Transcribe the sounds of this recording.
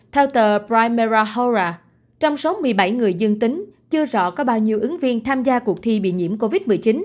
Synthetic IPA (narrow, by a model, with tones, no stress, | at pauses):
t̪ʰɛː˧wt̪əː˨˩pɾaː˧jmɛ˧zaː˧ho˧zaː˧ | t͡ɕɔ˧wŋ͡mso˨˦mɨ˨˩əjɓa˧˩jŋɨ˨˩əjzɨ˧ŋt̪ï˨˦ŋ̟t͡ɕɨ˧əzɔ̰˧˨kɔ˨˦ɓaː˧wɲi˨˩əwʔɨ˨˦ŋvi˧ənt̪ʰaː˧mzaː˧ku˨˩ək̚t̪ʰi˧ɓḭ˧˨ɲḭ˧˥əmko˧vi˦˥t̚mɨ˨˩əjt͡ɕi˨˦n